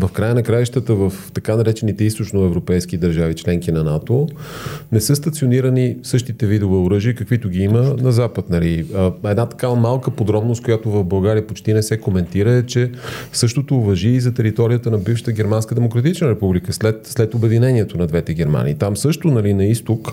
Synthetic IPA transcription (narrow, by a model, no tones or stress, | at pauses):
vɐfkɾajənɐkɾajʃt̪ət̪əvəft̪ɐkanɐɾɛt͡ʃɛnit̪ɛist̪ot͡ʃnoɛvɾopɛjskid̪əɾʒavit͡ʃlɛŋkinɐnat̪o | nɛsɤst̪ɐt̪sioniɾənisɤʃt̪it̪ɛvid̪ovɛoɾɤʒiəkɐkvit̪ʊɡ̟iimənɐzapət̪nɐliɛd̪nat̪ɐ̥kamalˠkəpod̪ɾɔbnost̪kojat̪ovɐvbɐlˠɡaɾiəpot͡ʃt̪inɛsɛkomɛnt̪iɾəɛt͡ʃɛsɤʃt̪ot̪oːvɐʒiːzɐt̪ɛɾit̪ɔɾijət̪ənɐbifʃə̥t̪əɡɛɾmanskəd̪ɛmokɾɐt̪it͡ʃnəɾɛpublikəslɛt̪slɛt̪obɛd̪inɛniɛt̪onɐd̪vɛt̪ɛɡ̟ɛɾma̰nḭːt̪amsɤʃt̪onɐlinɐist̪ok